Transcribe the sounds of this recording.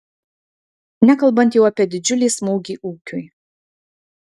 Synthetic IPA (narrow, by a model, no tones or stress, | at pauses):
nʲækɐlˠbɐnt̪ʲjɛʊɐpʲiɛd̪ʲɪd͡ʒʲʊlʲiːsmuːɡʲiːʔuːkʲʊj